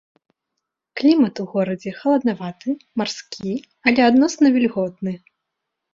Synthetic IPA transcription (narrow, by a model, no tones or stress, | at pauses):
klʲimɐt̪uɣɔɾɐd͡zʲɛxɐlˠɐd̪navat̪ɨmarskʲʰi | ɐlʲɛad̪nɔsnɐvʲilʲɣɔt̪̚nɨ